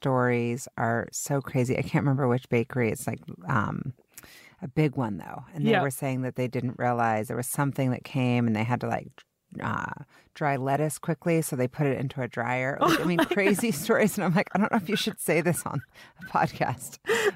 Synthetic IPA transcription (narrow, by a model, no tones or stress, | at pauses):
stɔɹizʔə˞soʊkʰɹ̥eɪzia̰ɪkʰæ̃nʔɹɪmɛ̃mbə˞wɨt͡ʃb̥eɪkəɹiɨ̰tslaɪkʌ̰̃m | ɨbɪɡwʌ̃nðo̰ʊɨ̃nðeɪɪwə˞seɪɪ̃ŋðɨt̪̚ðeɪdɪdⁿn̩ʔ̚ɹiəlaɪzðə̰˞wʌz̥sʌ̃mθɪ̃ŋðɨ̰t̚kʰẽɪ̃mɨ̃nðeɪɨd̚tʰəla̰ɪk̚ | ʔʌ̰ | d̥ɹaɪlɛɾɨskʰw̥ɪklisoʊðeɪpʰʊɾɨɾɪ̰̃ntʰuɨdɹa̰ɪə̰˞laɪkaɪmĩnnkʰɹ̥eɪzistɔɹizɨ̃nãɪ̃mlaɪkaɪdõʊ̃nːʔoʊɪfjɨʃɨd̥seɪðɪsn̩əpʰɑ̰d̚kʰæ̰st̚